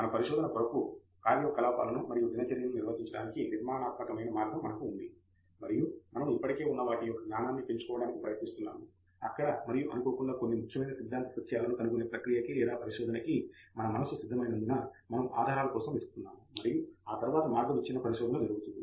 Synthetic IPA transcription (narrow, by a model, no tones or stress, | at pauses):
mɐnɐpɐɾiʃɔːd̪ɐnɐk̪ʋɐɾɐku | kaːɾijɔkːɐlaːpa̰ːlɐnumɐɾijud͡ʒinɐt͡ʃɐɾijɐnuniɾʋɐd̪ʱiɲt͡ʃɐɽaːnikiniɾmaːnaːt̪̚mɐkɐmɐjnɐmaːɾɡʱɐmːɐnɐkuːnd̪i | mɐɾijumɐnɐmipːɐʈike̞ːunːɐʋaːʈijɔkːɐɡɲaːnaːnːipe̞ɲt͡ʃu̥kɔːʋɐɽaːnikipɾɐjɐt̪nist̪unːa̰ːmu | ɐkːɐɽɐmɐɾijuʔɐ̰nukoːɽkuɳɖaːko̞nːimukʰjɐmɐjnɐsid̪ʱːaːnt̪ɐpɐt̪ʰːjaːlɐnukɐnukune̞ːpɾɐkɾijɐkilɛːd̪aːpɐɾiʃɔːd̪ɐnɐkimɐnɐmɐnɐsusid̪ʱːɐmɐjnɐnd̪inaːmɐnɐma̰ːd̪ʱaːɾaːlɐkɔːsɐmʋisukt̪unːaːmuːɐɾijuaːt̪ɐɾuʋaːt̪ɐmaːɾɡʱɐmɐt͡ʃːinɐpɐɾiʃɔːd̪ɐnɐd͡ʒɐɾuɡut̪und̪i